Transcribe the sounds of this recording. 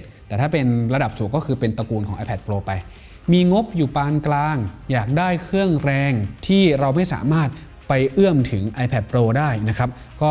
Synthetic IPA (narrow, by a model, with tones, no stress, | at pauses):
t̪ɛː˨˩t̪ʰaː˥˩pe˧nɾa˧da˨˩p̚suː˨˩˦ŋkɔː˥˩kʰɯː˧pe˧nt̪a˧kuː˧nkʰɔː˩˦ŋʔaː˧pʰɛ˨˩t̪̚pɾoː˧pa˧j | miː˧ŋo˦˥p̚juː˨˩paː˧nklaː˧ŋjaː˨˩k̚daː˥˩jkʰɾɯ˥˩əŋɾɛː˧ŋt̪ʰiː˥˩ɾa˧wma˥˩jsa̰ː˩˦maː˥˩t̪̚ | pa˧jʔɯ˥˩əmt̪ʰɯ˩˦ŋʔa˧jpʰɛ˨˩t̪̚pɾoː˧daː˥˩jna˦˥kʰɾa˦˥p̚ | kɔː˥˩